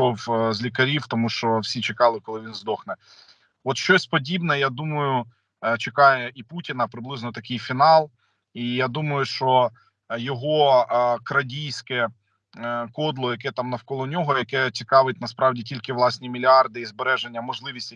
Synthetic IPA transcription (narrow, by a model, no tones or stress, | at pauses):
ɔwzʲlʲikɐɾʲiwt̪ɔmuʃt͡ʃɔwsʲit͡ʃekɑlˠɪkɔlˠɪʋʲinzd̪ɔxnɛ | ɔt̪ʃt͡ʃɔsʲpɔdʲibnɛjad̪umɐjʊ | t͡ʃekɑjɛiputʲinɐpɾɪblˠɪznɔt̪ɐkɪjfʲinɑlˠ | ijad̪umɐjʊʃt͡ʃɔ | jɔɦɔkɾɐdʲijsʲkɛ | kɔd̪lˠɔjɐkɛt̪ɑmnɐwkɔlˠɔnʲɔɦɔjɐkɛt͡sʲikɑʋɪt̚ʲnɐspɾɑwdʲitʲilʲkɪʋlˠɑsʲnʲimʲilʲiɑrd̪ɪizbeɾɛʒenʲːɐmɔʒlˠɪʋʲisʲtʲ